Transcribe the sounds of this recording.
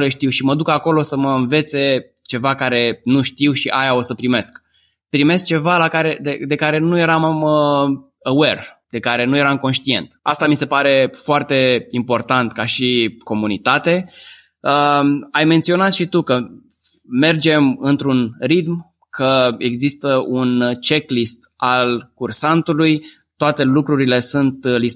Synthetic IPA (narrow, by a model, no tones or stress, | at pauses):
leʃt̪iwʃiməd̪ukako̞lo̞səməɨnve̞t̪se̞ | t͡ʃe̞vakaɾe̞nuʃt̪iwʃiʔajao̞səpɾime̞sk | pɾime̞sk̚t͡ʃe̞valakaɾe̞d̪ed̪e̞kaɾe̞nuje̞ɾamm | əwe̞rd̪̥e̞kaɾe̞nuje̞ɾamko̞nʃt̪ie̞̰nt̪a̰st̪amise̞paɾe̞foart̪e̞impo̞rt̪ant̪kaʃiko̞munit̪at̪e̞ | əajment̪sio̞nat̪ʃit̪ukə | me̞rd͡ʒe̞mɨnt̪ɾunrit̪m | kʰəe̞ɡzist̪əunt͡ʃe̞klist̪alkursant̪uluj | t̪oat̪e̞lukɾuɾile̞sunt̪lis